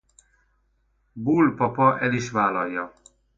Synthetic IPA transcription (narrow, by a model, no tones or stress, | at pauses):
buːlpɒpɔʔɛliʃvaːlɒjɒ